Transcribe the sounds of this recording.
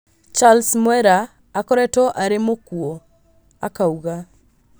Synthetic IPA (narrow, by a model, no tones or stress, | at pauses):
t͡ʃalsmwɛɾaː | kɔɾɛtɔʔaɾemokuɔ | akauɣa